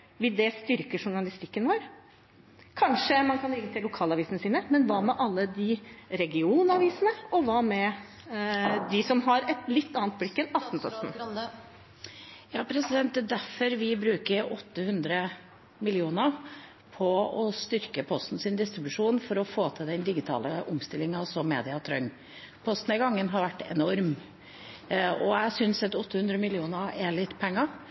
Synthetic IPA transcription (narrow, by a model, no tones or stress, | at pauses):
ʋɪd̪ɛst̪ʏɾkəʂʊɳɑlɪst̪ɪkːənʋoːɾ | kʰɑnʂəmɑnkʰɑnɾɪŋːət̪ʰɪlːʊkʰɑːlɑʋiːsənəsiːnəmɛnʋɑmɛʔɑlːəd̪ɪɾɛɡɪuːnɑʋiːsənəɔʋɑmɛ | d̪ɪsɔmɦɑɾɛt̪lɪt̪ːɑnːnt̪̚blɪkːɛnɑft̪n̩pʰɔst̪n̩ | jɑːpʰɾɛsɪd̪ɛnt̪̚d̪ɛːd̪æfɔɾʋɪbɾʉːkəɾɔt̪ːəhʉnd̪ɾə | mɪlɪuːnəɾ | pʰɔɔst̪ʏɾkəpʰɔst̪n̩sɪnd̪ɪst̪ɾɪbʉʂuːnfɔɾɔfoːt̪ʰɪld̪ɛnd̪ɪɡɪt̪ʰɑ̰ːləʔʊmst̪ɪlːɪŋɑsɔmːḛːd̪ɪɑt̪ʰɾœŋː | pʰɔst̪n̩æɡɑŋːənɦɑɾʋæʈːɛ̰nɔɾm | ɔjæɪsʏnsɑt̪ɔt̪ːəhʉnd̪ɾəmɪlɪuːnəɾɛɭɪt̪ːpʰɛŋːɑ